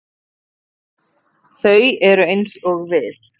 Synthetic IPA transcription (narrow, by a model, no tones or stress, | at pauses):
θœɥɛɾʏejnsɔɣvɪð